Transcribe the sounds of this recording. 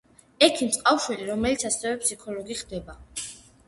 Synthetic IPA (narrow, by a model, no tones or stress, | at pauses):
ɛkʰint̪sʼqʼafʃwiliɾɔmɛlit̪sʰasɛvɛpʰsikʰɔlɔɡiχd̪ɛba